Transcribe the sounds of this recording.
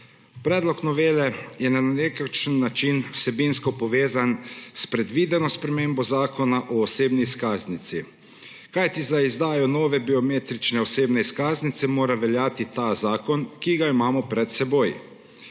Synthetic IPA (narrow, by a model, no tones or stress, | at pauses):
pɾɛːd̪lɔknɔʋeːlɛjɛnanekakʃənːat͡ʃinwsɛbinskɔpɔʋeːzanspɾɛd̪ʋiːd̪ɛnɔspɾɛmeːmbɔzaːkɔnaʔɔːseːbniːskaːznit̪si | kajt̪izaizd̪aːjɔnɔːʋɛbiɔmeːt̪ɾit͡ʃnɛɔseːbnɛiskaːznit̪sɛmoːɾaʋɛljaːt̪it̪azaːkɔnkiɡaimaːmɔpɾɛt̪sɛboj